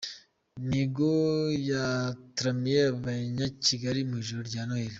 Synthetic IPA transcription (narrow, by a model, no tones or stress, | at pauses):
niɡojatɾamieβaɲaciɡaɾimuʒuɾɟanoheɾi